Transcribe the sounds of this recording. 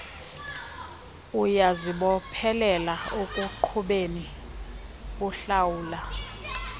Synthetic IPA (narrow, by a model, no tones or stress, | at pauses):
ujaziɓɔpʰɛlɛlaokʼuǃʰuɓeni | kuɬawuːla